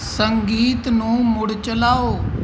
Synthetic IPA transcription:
səŋɡiːt̪nũːmʊɽt͡ʃəlaːoː

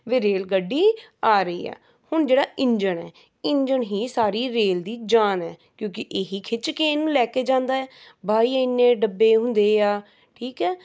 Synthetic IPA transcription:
ʋeːɾeːlɡəɖːiːaːɾəḭːɛ̰ː | hʊɳd͡ʒeːɽaːʔɪɲd͡ʒəɳɛː | ɪɲd͡ʒəɳɦiːsaːɾiːɾeːld̪iːd͡ʒaːnɛːkjõːkɪʔeːɦiːkʰɪt͡ʃkeːnũːlɛːkeːd͡ʒãːnd̪aːɛːbaːiːaɪnːẽːɖəbːeːɦʊ̃nd̪eːaː | ʈʰiːkɛː

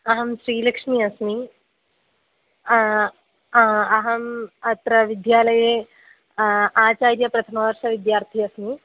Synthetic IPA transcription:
ɐɦɐmʃɾiːlɐkʂmiɐsmi | ɐɦɐmɐt̪ɾɐʋid̪jaːlɐje | aːt͡ʃaːɾjɐpɾɐt̪ʰɐmɐʋɐɾʃɐʋid̪jaːɾt̪ʰiɐsmi

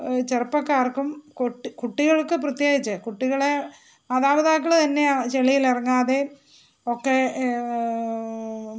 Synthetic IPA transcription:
t͡ɕerɐpːɐkːaːrkːumkoʈːkuʈːiɣɐɭkːɨprɐt̪jeːɡit͡ɕːɨkuʈːiɣɐɭe | aːðaːbɐðaːk̬ːɐɭt̪ɐnːet͡ɕeɭijilirɐŋːaːðe | okːe

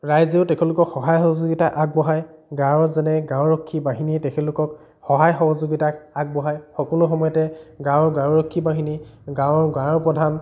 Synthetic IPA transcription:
ɹajzeʊtɛkʰɛlʊkɔkxɔɦajxɔɦɔzoɡitaʔaɡ̚bɔɦajɡãwzɛnɛɡãwɹɔkʰːibaɦinitɛkʰɛlʊkɔk | xɔɦajxɔɦɔzoɡitaaɡ̚bɔɦajxɔkɔlʊxɔmɔjɔtɛɡãwɡãwɹɔkʰːibaɦiniɡãwɡãwɔpɹɔdʱan

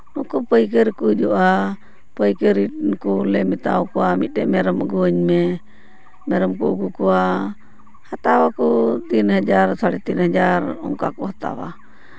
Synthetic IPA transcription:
nɔkɔpəjkəɾkud͡ʒɔʔa | pəjkəɾiʈnkɔlɛmɛt̪a̰wkɔwamit̪̚ˀʈɛʔmɛɾəməɡuəɲmɛ | mɛɾəmkɔəɡukɔwa | hat̪awakɔt̪inhəd͡ʒaɾsaɽɛt̪inhəd͡ʒaɾɔ̰ŋka̰kɔhat̪a̰wa̰

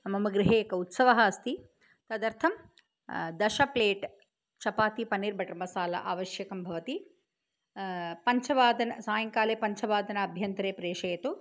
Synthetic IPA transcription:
ɐmɐmɐɡɾɪɦeːkɐut̪sɐʋɐɦaːst̪i | t̪ɐd̪ɐɾt̪ʰɐm | d̪ɐʃɐpleːʈ | t͡ʃɐpaːt̪ipɐniːɾbʱɐʈɐmɐsaːlɐ̰ʔaːʋɐʃjɐkɐmbʱɐʋɐt̪i | pɐɲt͡ʃʰɐʋaːd̪ɐnɐsaːjɐŋkaːleːpɐɲt͡ʃʰɐʋaːd̪ɐnɐːbʱjɐnt̪ɾeːpɾeːʂɐjɐt̪u

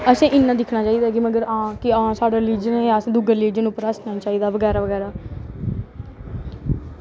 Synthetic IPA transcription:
əsẽːʔɪnːãːd̪ɪkʰnaːt͡ʃaːiːd̪aːkɪməɡəɾãːkɪãːsaːɖaːɾɪliːd͡ʒəneaːsẽːd̪uɡəɾliːd͡ʒənʊpːəɾəsnaːt͡ʃaːiːd̪aːʋəɡɛːɾaːʋəɡɛːɾaː

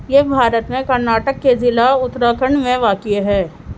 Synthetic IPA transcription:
jeːbʱaːɾət̪mẽkɐɾnaːʈəkːezɪlaʊt̪ːɾaːkʰəɳmẽʋaːkɪɦɛː

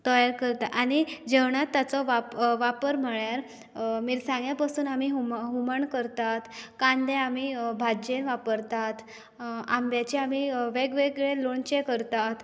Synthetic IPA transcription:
t̪əjaɾkəɾt̪aʔañid͡ʑeʋɳat̪ːat͡sɔʋapʋapəɾm̤əɭjaɾ | miːɾsãŋɡjapasuːnamiːɦumɦuməɳkəɾt̪at̪kãnd̪ẽamiːbʱad͡ʑenʋapəɾt̪at̪ | a̰mbjat͡ɕeamiːʋeɡʋeɡɭeloɳt͡ɕekəɾt̪at̪

